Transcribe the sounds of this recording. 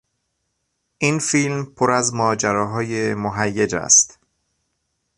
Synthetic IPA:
ʔinfilmpʰoɾæzmɒːd͡ʒæɾɒːɦɒːjemoɦæjːed͡ʒæ̰st̪

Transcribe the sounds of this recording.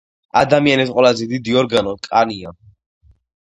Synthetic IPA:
a̰d̪amianɛsqʼwɛlazɛd̪id̪iɔɾɡanɔkʼania

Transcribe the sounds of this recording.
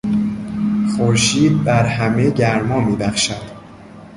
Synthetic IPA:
xoɾʃiːd̪̚bæɾɦæme̞ɟæɾmɒːmiːbæxʃæd̪̥

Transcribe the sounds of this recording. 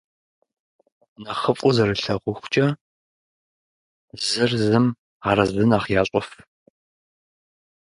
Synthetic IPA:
naχəfʼʊzɐɾɨɬɐʁʷʊxʷt͡ʃʼɐ | zɨrzɨm | aːɾɐzɨnaːχjaːɕʼɔf

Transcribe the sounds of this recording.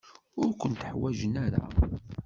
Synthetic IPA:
ʊɾkʷənt̪əħwæʒənæɾæ̰

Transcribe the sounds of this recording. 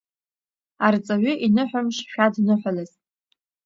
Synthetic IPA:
art͡sʼaɥʏʔinɨħʷᶣamʂʃᶣadnɨħʷalɨzʼ

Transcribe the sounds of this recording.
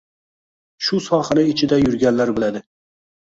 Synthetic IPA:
ʃʊsɒχɨnɪɪt͡ʃʰɪd̪ajʊɾɡʲanlaɾbɪlad̪ɪ

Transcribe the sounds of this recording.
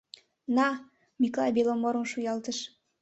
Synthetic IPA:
nɑ | miklɑ̰belomoɾŏmʃujɑlt̪əʃ

